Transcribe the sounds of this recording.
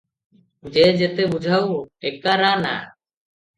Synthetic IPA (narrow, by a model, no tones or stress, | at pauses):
d͡ʒɛd͡ʒɛt̪ɛbud͡ʒʱawɛkaɾana̰